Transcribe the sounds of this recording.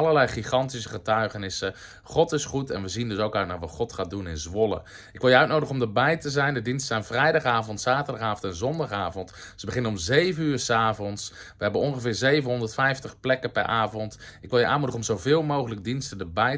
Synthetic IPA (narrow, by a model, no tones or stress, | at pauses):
ɑlˠəɹlɛjχiχɑntis̬əχətœɥχənɪsə | χɔtɪsχutɛ̰nʋəzindɵsowkœɥtnaːɹʋɑtχɔtχaːt̚dunɪnzʋɔlə̰ | ɪkʋɪlˠjəœɥt̚nowdəχɔmdəbɛjtəzɛjndədinstəzɛjnvrɛjdɑχaːvɔntsaːtəɹdɑχaːvɔntɛnzɔndɑχaːvɔntsəbəχɪnəɔmzejvənyːɹsaːvɔnsʋəɦɛbənɔnχəvɪːɹzejvənɦɔndəɹtfɛjftəχplɛkəpɛ̰ɹʔaːvɔntɪkʋɪlˠjəʔa̰ːnmudəχəɔmzowvɪːlˠmowχələk̚dinstədəbɛj